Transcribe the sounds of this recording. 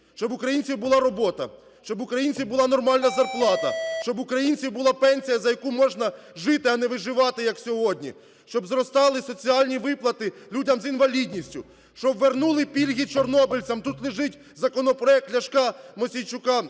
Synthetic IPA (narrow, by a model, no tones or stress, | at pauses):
ʃt͡ʃɔbʊkɾɐjinʲt͡sʲiwbʊlˠɑɾɔbɔt̪ɐ̰ | ʃt͡ʃɔbʊkɾɐjinʲt͡sʲiwbʊlˠɑnɔrmɑlʲnɐzɐrplˠɑt̪ɐʃt͡ʃɔbʊkɾɐjinʲt͡sʲiwbʊlˠɑpɛnʲsʲijɐzɐjɐkumɔʒnɐʒɪt̪ɪɐnɛʋɪʒɪʋɑt̪ɪjɐksʲɔɦɔdʲnʲḭ | ʃt͡ʃɔbzɾɔst̪ɑlˠɪsɔt͡sʲiɑlʲnʲiʋɪplˠɐt̪ɪlʲudʲɐmzinʋɐlʲidʲnʲisʲtʲʊ | ʃt͡ʃɔʋːernulˠɪpʲilʲɦʲit͡ʃɔrnɔbɪlʲt͡sʲɐmt̪ut̪lˠɪʒɪtʲ | zɐkɔnɔpɾɔɛk̚t̪ʲlʲɐʃkɑmɔsʲijt͡ʃʊkɑ